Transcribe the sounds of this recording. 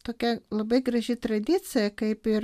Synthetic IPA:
t̪oːkʲɛlˠɐbɐɪɡɾɐʒʲɪt̪ɾɐd̪ʲit̪sʲɨjɐkɐɪpɪɾ

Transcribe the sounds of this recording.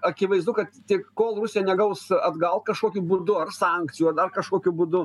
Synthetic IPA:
ɐkʲɪʋɐɪzd̪ʊkɐt̪t̪ʲɪkkoːlˠrʊsʲɪjɛnʲɛɡɐʊsɐd̪ɡɐlˠt̪̚kɐʃkoːkʲuːbʊd̪ʊɐrsɑŋkt͡sʲɪjuːɐd̪ɐrkɐʃkoːkʲubʊd̪ʊ

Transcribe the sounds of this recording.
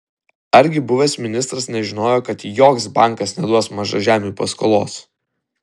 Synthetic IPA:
ɐɾʲɡʲɪbʊʋʲesmʲɪnʲɪst̪ɾɐsnʲɛʒʲɪnoːjoːkɐt̪joːksbɑˑŋˑkɐsnʲɛd̪uɔsmɐʒɐʒʲæːmʲuːposko̰lˠo̰ːs

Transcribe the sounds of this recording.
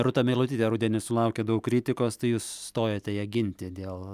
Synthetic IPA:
ɾʊt̪ɐmʲeːlˠʊt̪ʲiːt̪ʲɛɾʊd̪ʲɛnʲɪsʊlˠɐʊkʲed̪ɐʊkkɾʲit̪ʲɪkoːst̪ɐɪjuːsːt̪oːjoːt̪ʲɛjɛɡʲɪnʲt̪ʲɪd̪ʲeːlˠ

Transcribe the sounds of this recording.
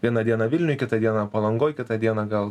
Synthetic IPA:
ʋʲiɛnɐd̪ʲiɛnɐʋʲɪlʲnʲʊjkʲɪt̪ɐd̪ʲiɛnɐpɐlˠɐŋɡoːjkʲɪt̪ɐd̪ʲiɛnɐɡɐlˠ

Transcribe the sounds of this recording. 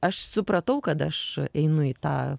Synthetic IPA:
ɐʃsʊpɾɐt̪ɐʊkɐt̪ɐʃɛɪnʊit̪ɑ̰ː

